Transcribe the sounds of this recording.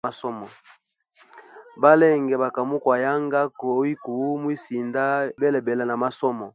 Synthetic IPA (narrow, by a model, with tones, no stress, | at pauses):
a˦sɔ˦mɔ˨ | ba˦le˦ŋɡɛ˨ba˨ka˨mu˦kwa˨ja˦ŋɡa˦ko˨˦wi˦ku˨˦mwi˦si˨nda˦be˦le˨be˨la˨na˨ma˦sɔ˦mɔ˨